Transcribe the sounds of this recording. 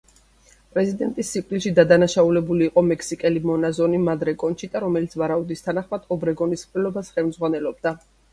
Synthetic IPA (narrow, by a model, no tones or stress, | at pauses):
pʼɾɛzid̪ɛnt̪ʼisːipʼt̪ʼilʃid̪ad̪anaʃaulɛbuliːqʼɔmɛkʰsikʼɛlimɔnazɔnimad̪ɾɛkʼɔnʃid̪aɾɔmɛlit̪sʰvaɾaud̪ist̪ʰanaχmad̪̥ɔbɾɛɡɔnisχʼlɛlɔbasχɛlmd̪zʁwanɛlɔb̚d̪a